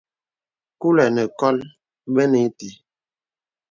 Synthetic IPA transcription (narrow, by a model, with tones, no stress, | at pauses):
ku˦lɛ˨nɛ˨kɔ˦l | bɛ˦ni˨˦ti˨